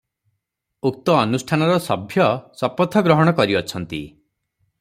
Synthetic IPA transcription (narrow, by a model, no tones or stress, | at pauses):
uk̚t̪ɔːnusʈʰanɔɾɔsɔbʱjɔsɔpɔt̪ʰːɔɡɾɔɦɔɽ̃ɔkɔɾiɔt͡ʃʰɔnt̪ḭ